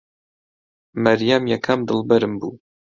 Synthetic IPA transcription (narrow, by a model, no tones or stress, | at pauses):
mɐɾjamjɛkʰɐmd̪ɨlˠbɐɾɨmbṵː